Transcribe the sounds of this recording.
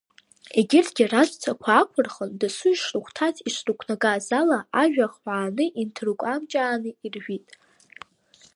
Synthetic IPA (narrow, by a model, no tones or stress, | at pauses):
e̞ɡʲɪrtʰɡʲirazʷʼt͡sʷʰakʷʰaːkʷʰʊrχəndɨsʊjʂrɨχʷtʰatʰiʂrukʷʰnaɡazalaʔaʒᶣaχħʷaːnɨʔintʰrukʷʼamt͡ʃʼaːnɨirʒᶣitʼ